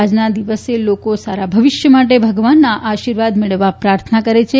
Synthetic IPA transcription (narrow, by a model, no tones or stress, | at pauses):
ad͡ʒnad̪iʋəselokosaɾabʱəʋɪʃjəmaʈ̬ebʱəɡʋanːaʔaʃiɾʋad̪meɭəʋːapɾaɾt̪ʰənakəɾet͡ʃʰe